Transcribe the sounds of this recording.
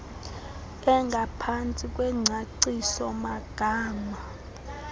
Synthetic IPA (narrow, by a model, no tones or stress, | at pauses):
ɛŋɡʱapʰant͡sʼikʼwɛŋ͡ǀʱaǀisɔmaɡ̥ʱaːma